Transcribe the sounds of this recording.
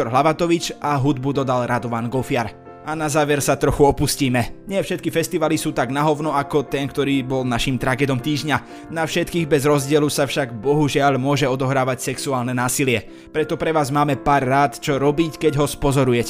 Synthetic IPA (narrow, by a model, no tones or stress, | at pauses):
ɔɾɦlaʋat̪ɔʋit͡ʃʔaɦud̪bud̪ɔd̪alɾad̪ɔʋaːnɡɔfɪaɾ | anazaːʋɛɾsat̪ɾɔxuɔpusciːmɛɲɪɛfʃɛt̪̚kifɛst̪iʋalisuːt̪aɡnaɦɔʊnɔakɔt̪ɛnkt̪ɔɾiːbɔlnaʃimt̪ɾaɡɛːd̪ɔmt̪iːʒɲa | nafʃɛt̪kiːɣbɛzɾɔzɟɪɛlusafʃaɡbɔɦuʒɪaʎmʊɔʒɛɔd̪ɔɦɾaːʋacsɛksuaːlnɛnaːsilɪɛ | pɾɛt̪ɔpɾɛʋaːzmaːmɛpaːɾːaːt̪t͡ʃɔɾɔbiːckɛɟɦɔspɔzɔɾujɛcɛ